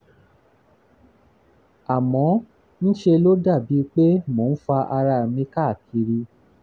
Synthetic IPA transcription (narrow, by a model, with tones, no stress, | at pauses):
a˨mɔ̃˨˦ | nĩ˦ʃe˧lo˦da˦˨bi˨˦˧k͡pe˦mo˨˦n̩˦fa˧ʔa˧ɾa˧˨mĩ˧ka˦˨ki˧ɾi˧